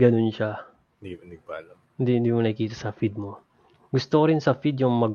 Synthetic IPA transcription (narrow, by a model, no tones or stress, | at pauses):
ɡɐnonʃa | nɪɡ̚pa̰lɐ | hɪnd̪ihɪnd̪iːmonɐkɪkiːt̪ɐsɐfid̪̚mo | ɡʊst̪okoɾɪnsɐfid̪jʊŋmɐɡ̚